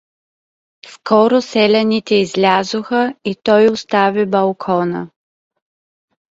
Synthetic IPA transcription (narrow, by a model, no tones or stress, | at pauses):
skɔɾʊsɛlʲɛnit̪ɛizlʲazoxəit̪ɔjʊst̪avibɐlˠkʰɔnə̰